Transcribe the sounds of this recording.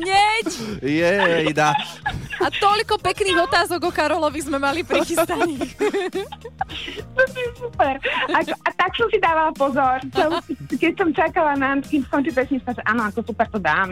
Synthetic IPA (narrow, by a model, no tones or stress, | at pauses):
ɲɛcjɛjd̪a | at̪ɔʎkɔpɛkniːɣɔt̪aːzɔɡɔkaɾɔlɔʋizmɛmalipɾɾixist̪aɲɛx | t̪sisupɛɾakɔʔat̪aksɔmsid̪aːʋalapɔzɔɾt͡sɛlskɛcsɔmt͡ʃakalanat̪kiːmskɔnt͡ʃipɛsɲist̪aʒɛʔaːnɔakɔsupɛɾt̪ɔd̪aːm